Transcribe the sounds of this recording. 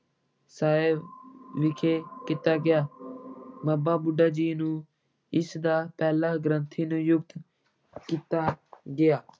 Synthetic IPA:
saːeʋɪkʰeːkɪt̪aːɡɪjaː | baːbaːbʊɖaːd͡ʒiːnũː | ɪsd̪aːpɛːlaːɡɾənt̪ʰiːnũːjʊɡt̪ | kiːt̪aːɡɪjaː

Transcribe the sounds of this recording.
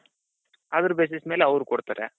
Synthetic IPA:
ɐd̪ɐɾubes̬ismeːleɐʋɾukoɽt̪aːɾḛ

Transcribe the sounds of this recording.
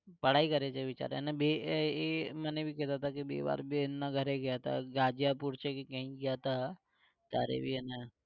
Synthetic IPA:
pəɽ̤aːikɐɾet͡ʃeʋɪt͡ʃa̰ːɾeenabeemɛnebʱikɛɦt̪at̪ʰakibḛːʋa̰ːɾbʱiɪnːaɡʱəɾeɡjat̪ʰa̰ɡaːd͡ʒijapuɾt͡ʃekikɐɦĩɡɪjat̪ʰa | t̪aːɾḛbʱiena

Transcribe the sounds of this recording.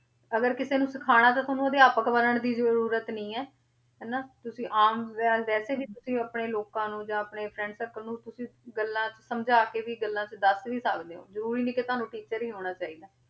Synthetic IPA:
əɡəɾkɪseːnũːsɪkʰaːɽ̃aːt̪ãːt̪oːnũəd̪eaːpəkbəɾəɳd̪iːzəɾuːɾət̪nəĩːɛː | ɦɛːnaːt̪ʊsĩːʔaːmʋaːʋɛːseːbiːt̪ʊsĩːəpɳeːloːkãːnũːd͡ʒãːəpɳeːpʰɾɛ̃ːɳɖsəkːnũːt̪ʊsĩːɡəlːãːt͡ʃəsəmd͡ʒaːkeːʋiːɡəlːãːt͡ʃəd̪əsʋiːsaːɡd̪eːo̰ːzəɾuːɾiːnĩːkɪt̪ʊɦaːnũːʈiːt͡ʃəɾɦiːɦoːɽ̃aːt͡ʃaːiːd̪aː

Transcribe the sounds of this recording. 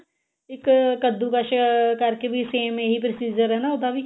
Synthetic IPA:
ɪkkəd̪ːukaʃkəɾkebʱiseːmẽɦipɾəsiːd͡ʒəɾɦɛːnaʊd̪abi

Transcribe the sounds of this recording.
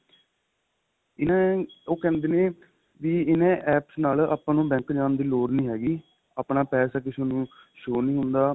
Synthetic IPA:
ɪnãːoːkɛ̃ːnd̪eːneː | ʋiːɪnẽːʔɛːpsnaːla̰ːpãːnũːbɛ̃ːŋkd͡ʒaːnd̪iːloːɾnĩːɦɛːɡiː | aːpnaːpɛːsaːkɪʃonũːʃoːnĩːɦʊnd̪aː

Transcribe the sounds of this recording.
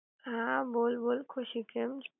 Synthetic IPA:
ɦãboːlboːlkʰʊʃikʰəmt͡ʃ

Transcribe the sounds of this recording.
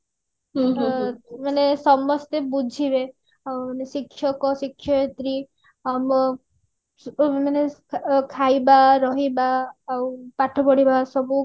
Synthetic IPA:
t̪manesɔmɔst̪ebud͡ʒʱibe | anesikʰʃjɔkɔsikʰjɔet̪ɾi | amɔ | manekʰajbaɾɔɦibaːupaʈʰɔpɔɽibasɔbu

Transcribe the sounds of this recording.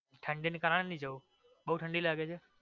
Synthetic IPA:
ʈʰəɳɖinikəɾaɽ̃enĩd͡ʒəu | ɓəɦuʈʰə̃ɳɖilaːɡet͡ʃʰe

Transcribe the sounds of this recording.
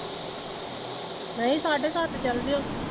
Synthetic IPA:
ɾẽĩsaːɖʱesaːt̪ʰt͡ɕɐld̪ijõ

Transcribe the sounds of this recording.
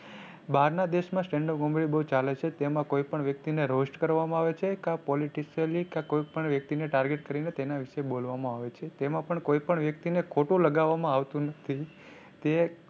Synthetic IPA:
baɾnad̪eʃmãsʈẽɳɖəpɡõmbɭibəɦut͡ʃalet͡ʃʰet̪emãkoipəɳʋjək̚t̪ineɾosʈkəɾʋamãaʋet͡ʃʰekãpɔliʈisəlikãkoipəɳʋjək̚t̪ineʈaɾɡeʈkəɾinet̪enaʋɪʃebolʋamãaʋet͡ʃʰet̪emãpəɳkoipəɳʋjək̚t̪inekʰoʈũləɡaʋamãaʋt̪ũnət̪ʰi | t̪e

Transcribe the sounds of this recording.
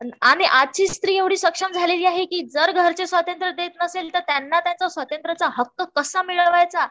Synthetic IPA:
aɽ̃iʔad̪̚t͡ɕiːst̪ɾiːeʋɽ̤iːɕəkʂəmd͡zʱaleliːaɦekiːd͡zəɾɡʱəɾt͡sesʋat̪ənt̪ɾəd̪et̪nəselt̪əɾt̪janːat̪jat͡sɔsʋat̪ənt̪ɾət͡saɦəkːəkəsamiɭəʋajt͡sa

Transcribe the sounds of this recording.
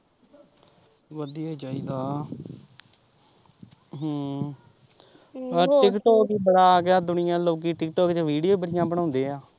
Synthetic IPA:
ʋəd̪ijaːid͡ʒaːiːɡaː | ɦ | əʈɪkʈoːkiːbəɽaːɡaːd̪ʊnɪjãːloːkiːʈɪkʈɔːkt͡ʃʋiːɖijoːiːbəɽɪjãːbəɽaːʊ̃nd̪eːaː

